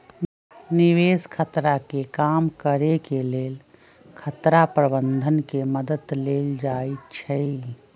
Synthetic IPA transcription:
niʋeskʰət̪ɾakekamkəɾekeleːl | kʰət̪ɾapɾəbənd̪ʱənkeməd̪əd̪leːld͡ʒait͡ʃʰəi

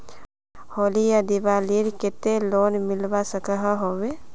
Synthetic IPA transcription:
holijad̪iʋaliɾket̪eloːnmilʋasəkəɦəɦoʋe

